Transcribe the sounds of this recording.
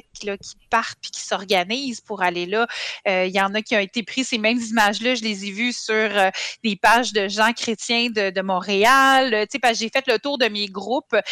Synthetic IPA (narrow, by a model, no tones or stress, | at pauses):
klʌkʲi̥paʁ̥t̪̚pi̥kʲi̥sɔʁɡaniːzpuʁalelʌøijɑ̃ːnʌkʲiɔ̃et̪epχisemɛ̃mzimaʒlʌʒəlezevysyʁød̪epaːʒd̪əʒɑ̃kχet͡s̪jɛ̃d̪əd̪əmɔ̃ʁealt̪t͡sepaʒefɛt̪lət̪uːʁd̪əmeɡʁup